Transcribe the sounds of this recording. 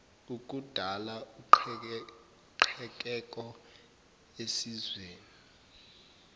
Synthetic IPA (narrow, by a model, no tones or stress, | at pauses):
uk̬ʼud̥ʱalau | ǃʰɛk̬ʼɛk̬ʼɔ | esizweːni